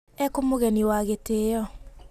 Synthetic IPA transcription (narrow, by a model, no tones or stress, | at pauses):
ɛkomoɣɛniwaɣeteːjɔ